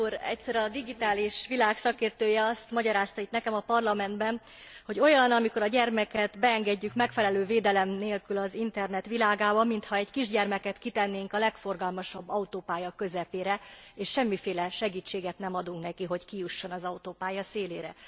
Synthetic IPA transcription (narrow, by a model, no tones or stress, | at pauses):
uɾɛ̰cʲsɛɾɒd̪iɡit̪aːliʃʋilaːksɒkeːrt̪øːjɛɒst̪mɒɟɒɾaːst̪ɒit̪nɛkɛmɒpɒrlɒmɛnd̪bɛn | ho̞ɟo̞jɒnɒmiko̞ɾɒɟɛrmɛkɛt̪bɛɛŋɡɛɟːykmɛkfɛlɛløːveːd̪ɛlɛmneːlkylɒzint̪ɛrnɛt̪ʋilaːɡaːbɒmint̪hɒɛɟkiʒɟɛrmɛkɛt̪kit̪ɛnːeːŋkɒlɛkfo̞rɡɒlmɒʃɒbːɒut̪oːpaːjɒkø̞zɛpeːɾɛeːʃʃɛmːifeːlɛʃɛɡiːt͡ʃːeːɡɛt̪nɛmɒd̪uŋknɛkiɦo̞ckijuʃːo̞nɒzɒut̪oːpaːjɒseːleːɾɛ̰